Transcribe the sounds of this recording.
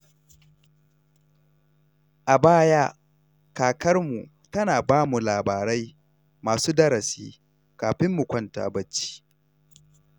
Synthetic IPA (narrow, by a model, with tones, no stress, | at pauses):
ʔa˨baː˦ja˦ | kaː˨kɐ˦rmu˨ | tɐ˦naː˨baː˦mu˨laː˨baː˨ɾɐ˦j | maː˨suː˦dɐ˦ɾɐ˨sḭː˦ | kaː˨ɸɪ˦mːu˨kʷɔ˦nta̰ː˨bɐ˦t͡ʃːi̥ː˦